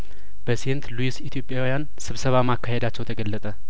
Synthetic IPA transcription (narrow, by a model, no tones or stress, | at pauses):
b̥əse̞nt̪lujisit̪ʰjo̞pʼjawijan | sɨβsəβamakʰːahe̞d̪at͡ʃːɛwt̪ʰəɡəlːət̪ʼə